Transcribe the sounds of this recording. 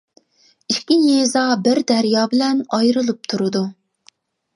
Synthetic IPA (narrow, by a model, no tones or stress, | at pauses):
iʃkʲinezɑbɪɾd̪ɛɾjɑːbɪlɛnɑjɾɨlˠɨp̚t̪ʰuɾɨd̪u